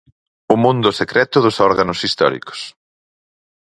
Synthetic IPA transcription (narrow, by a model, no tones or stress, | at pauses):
ʊmũnd̪ʊsekɾɛt̪ʊðʊsɔɾɣanʊsist̪ɔ̰ɾḭko̥s